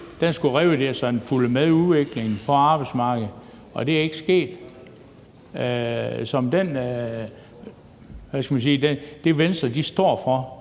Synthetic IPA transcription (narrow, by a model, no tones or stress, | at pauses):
d̥ensɡ̥uʁɛːʊəd̥eɐsɒ̽enfuləmeðˠuðˠʋeɡ̥le̝ŋn̩pʰɒ̽ɑ̈ːb̥ɑ̈ɪ̥smɑ̈ːɡ̥ð̩ˠ | ɒ̽d̥e̝æɐe̝ɡ̥əsɡ̥e̝̰ːd̥ | sɒ̽md̥en | ʋæskæmæns̬iːd̥ed̥e̝ʋensd̥ɐd̥isd̥ɒ̰ɐ̰fɒ̽